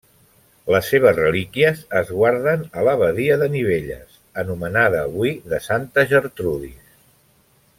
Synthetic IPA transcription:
ləsːeβ̞əzrəlikiəzəzɣwaɾðənələβəðiəðəniβ̞eʎə̰s | ənumənaðəːβwiðəsant̪əʒəɾt̪ɾuðis

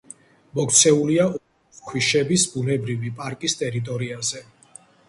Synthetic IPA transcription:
mɔkʰʼt̪sʰɛulia | kʰwiʃɛbisbunɛbɾivipʼaɾkʼist̪ʼɛɾit̪ʼɔɾiazɛ

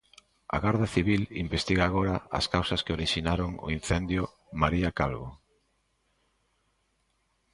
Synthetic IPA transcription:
ɐ̰ɣaɾðaθiβilimbest̪iɣaːɣ̞oɾɐɐ̰skawsɐskeoɾiʃinaɾoŋo̰in̟θɛnd̪jʊ | maɾiakalβo̰

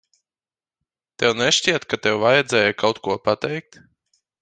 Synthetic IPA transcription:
t̪ɛwnɛʃcʲiɛt̪kat̪ɛwvajɛd̪zʲɛːjakawt̪kuɔpat̪ɛjk̚t̪

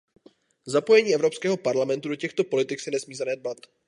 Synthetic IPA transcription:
zapo̞jɛɲiːɛvɾo̞pskɛːɦo̞paɾlamɛnt̪udocɛxt̪o̞po̞lɪt̪ɪksɛnɛsmiːzanɛd̪̚bat̪

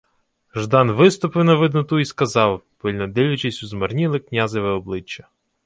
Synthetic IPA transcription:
ʒd̪ɑnʋɪst̪ɔpɪwnɐʋɪd̪nʊt̪uiskɐzɑwpɪlʲnɐd̪ɪlʲʊt͡ʃɪsʲuzmɐrnʲilˠɪknʲazɪʋɛɔblˠɪt͡ʃːɐ

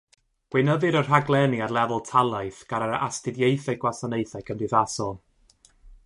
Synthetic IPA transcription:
ɡ̥wɪnəðɨɾər̥ɦaɡlˠɛniarlˠɛvʊlˠtʰalˠajθɡ̥aɾəɾa̰stɨðjejθajɡwasanejθajkʰəndɨðasɔlˠ

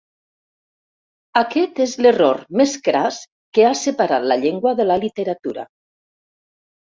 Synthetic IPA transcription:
akɛt̪ezleroɾmeskɾas | keasəpaɾat̪laʎeŋɡwaðəlalit̪əɾat̪uɾa̰

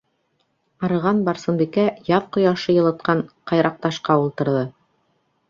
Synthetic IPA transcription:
ɑɾɤ̆ʁɑnbɑɾsɤ̆mbikæjɑðqŏjɑʃɤjɤ̆lˠɤ̆t̪̚qɑɴqɑjɾɑq̚t̪ɑʃqɑulˠt̪ɤ̆ɾðɤ

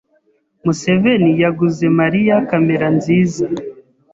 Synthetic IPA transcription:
muse̞ve̞nijaɡuze̞maɾijakame̞ɾanziːza

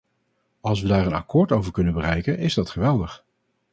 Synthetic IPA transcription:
ɑlˠs̬ʋədaːɹənɑ̰kʊːɹtowvəɹkɵnənbərɛjkənɪzdɑtχəʋɛlˠdəχ

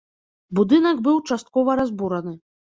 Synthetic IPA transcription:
bud̪ɨnɐɡbɨwt͡ʂast̪̚kɔvɐɾazbuɾɐnɨ

